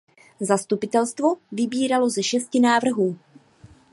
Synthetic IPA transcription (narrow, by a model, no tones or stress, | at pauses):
zast̪upɪt̪ɛlst̪vo̞vɪbiːɾalo̞zɛʃɛscɪnaːvr̩ɦuː